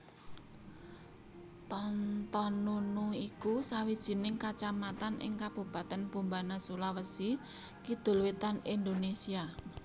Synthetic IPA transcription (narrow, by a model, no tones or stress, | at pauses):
t̪ɔnt̪ɔnunuikusawid̥ʒ̥i̤nɪŋkat͡ʃamat̪anʔɪ̰ŋkab̥ṳpa̤t̪ɛnb̥ṳmbanasulawəsi | kid̪̥ʊ̤lwit̪anind̪onesia